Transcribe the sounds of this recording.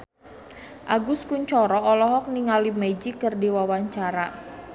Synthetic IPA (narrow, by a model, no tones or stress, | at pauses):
ʔaɡʊskuɲt͡ʃɔɾɔɔlɔɦɔk̚niŋalimed͡ʒikərdiwawaɲt͡ʃaɾa